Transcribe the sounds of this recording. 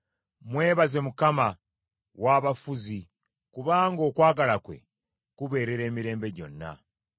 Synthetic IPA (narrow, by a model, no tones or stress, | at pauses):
mwe̞ːβaze̞mukama | waːβafuzi | kuβaːŋɡo̞ːkwaːɡalakwe̞̰ | kuβe̞ːɾe̞ɾe̞ːmiɾe̞ːmbe̞ɟo̞̰nːa̰